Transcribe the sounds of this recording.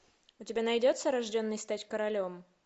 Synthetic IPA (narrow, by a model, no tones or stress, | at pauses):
ʊtʲɪbʲanɐjdʲo̞t̪səɾɐʐdʲo̞nːɨjst̪atʲkəɾɐlʲo̞m